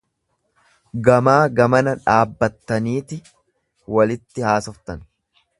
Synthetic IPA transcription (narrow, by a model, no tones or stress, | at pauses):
ɡɐmaːɡɐmɐnɐᶑaːbːɐt̪ːɐniːt̪ɪ | wɐlɪt̪ːɪhaːsɔft̪ɐn